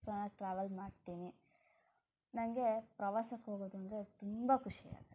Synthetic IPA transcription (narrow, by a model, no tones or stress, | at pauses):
t͡ʃɐnɐʈɾaːʋɐlmaːɖt̪iːni | nɐŋɡe̞pɾɐʋaːsɐkɦoːɡoːd̪uɐnd̪ɐɾe̞t̪umbɐkuʂia̰ːɡɐ